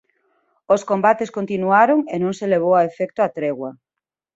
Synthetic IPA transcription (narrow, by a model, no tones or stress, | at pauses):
oskombat̪eskont̪inuaɾoŋenõŋseleβ̞owaefɛk̚t̪oat̪ɾeɣwɐ